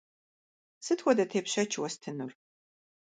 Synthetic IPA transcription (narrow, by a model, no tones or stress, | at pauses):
sɨtʰxʷɔdɐtʰeːpʃɐt͡ʃʰwɔstʰɨnur